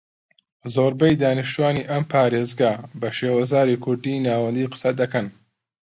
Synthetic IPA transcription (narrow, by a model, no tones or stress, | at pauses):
zoːɾbɐjd̪aːniʃt̪uwaːniʔɐmpʰaːɾeːzɡɐbɐʃeːwɐzaːɾikʰʊɾd̪iːnaːwɐnd̪iːqɨ̥sɐd̪ɐkɐn